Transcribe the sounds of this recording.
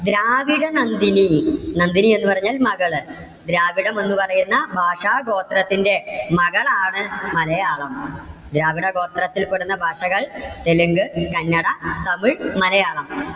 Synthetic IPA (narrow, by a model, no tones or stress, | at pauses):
d̪ɾaːʋiɽɐnɐnd̪ininɐnd̪inie̞nːupɐrɐɲːaːlmɐɣɐɭ | d̪ɾaːʋiɽɐmo̞nːupɐrɐjunːɐbʱaːʂaːɡo̞ːt̪rɐt̪ːinde̞mɐɣɐɭaːɳɨmɐlɐjaːɭɐmd̪ɾaːʋiɽɐɡo̞ːt̪rɐt̪ːilkoɽunːɐbʱaːʂɐɣɐɭt̪eluŋɡɨkɐnːɐɽɐt̪ɐmiɭmɐlɐjaːɭɐm